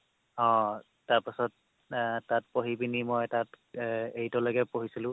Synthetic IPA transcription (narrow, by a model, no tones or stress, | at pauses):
ɔ̃ | taɹpasɔt | tːatpoɦibinimɔjtat | ejtɔloɡɛpoɦisilʊ̃